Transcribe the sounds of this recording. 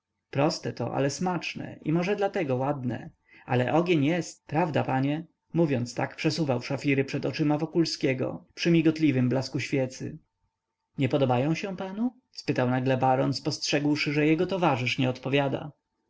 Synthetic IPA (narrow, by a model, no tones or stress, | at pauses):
pɾɔst̪ɛt̪ɔ̰ʔa̰lɛsmat͡ʂnɛ̰ʔḭmɔʐɛd̪lat̪ɛɡɔwad̪nɛ̰ | a̰lɛʔɔɡʲjeɲjɛst̪̚pɾavd̪apaɲɛ | muvʲjɔnt̪st̪akpʂɛsuvawʂafʲiɾɘpʂɛd̪ɔt͡ʂɘmavɔkulskʲɛɡɔ̰pʂɘmʲiɡɔt̪lʲivɘmblaskuɕfʲjɛt̪sɘ̰ | ɲɛpɔd̪ɔbajɔ̃w̃ɕɛ̃panu | spɘt̪awnaɡlɛbaɾɔnspɔstʂɛɡwʂɘʐɛjɛɡɔt̪ɔvaʐɘʂɲɛɔt̪pɔvʲjad̪a̰